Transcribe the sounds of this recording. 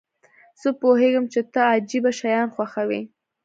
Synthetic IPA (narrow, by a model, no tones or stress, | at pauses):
z̥əpoheɡəmt͡ʃet̪aad͡ʒibaʃajɑnxwaxawḭ